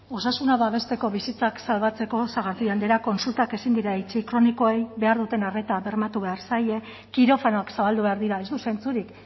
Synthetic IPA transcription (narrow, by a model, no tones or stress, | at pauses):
o̞sasunaβaβ̞e̞st̪e̞ko̞βisit͡saksalβat͡se̞ko̞saɣ̞aɾðiand̪eɾako̞nsult̪ake̞sind̪iɾait͡ʃikɾo̞niko̞ejβe̞aɾðut̪e̞nare̞t̪aβe̞rmat̪uβe̞aɾsaje̞ | kiɾo̞fanoaksaβald̪uβe̞aɾðiɾae̞zd̪usejnt͡suɾik